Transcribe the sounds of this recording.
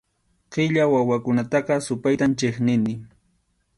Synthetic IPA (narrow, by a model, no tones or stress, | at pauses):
qɪʎawawakʊnat̪ɑqɑsʊpajt̪amt͡ʃɪχnɪnɪ